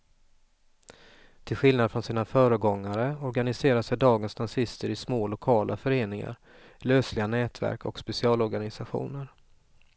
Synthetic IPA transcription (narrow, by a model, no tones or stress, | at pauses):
t̪ʰɪlɧɪlnad̪fɾɔnsiːnafœːɾəɡɔŋːaɾəɔɾɡanɪseːɾasɛjd̪ɑːɡənsnasɪst̪əɾɪsmoːlʊkʰɑːlʔafœɾeːnɪŋa̰ɾ | løːslɪɡanɛːt̪væ̰ɾkʰɔ̰kspɛsɪɑːlɔɾɡanɪsaɧṵːnəɾ